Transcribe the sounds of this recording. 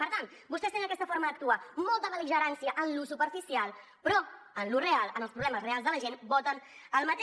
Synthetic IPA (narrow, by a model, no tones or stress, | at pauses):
pəɾt̪ant̪ | bust̪ɛst̪end̪əkɛst̪əfoɾməðək̚t̪uamɔlˠt̪əðəliʒəɾansiəʔənlusupəɾfisialˠ | pɾɔənlurealˠənəlˠpɾuβlɛməzrealzðələʒenbɔt̪ənəlˠmət̪e